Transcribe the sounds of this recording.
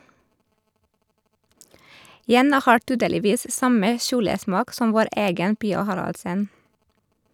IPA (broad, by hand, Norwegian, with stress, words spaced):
ˈjɛnɑ ˈhɑːɹ ˈtyːdəlɪˌʋiːs ˈsɑmə ˈʃuːləˌsmɑːk ˈsɔm ˈʋoːɾ ˈeːɡən ˈpiːɑ ˈhɑɾɑldsən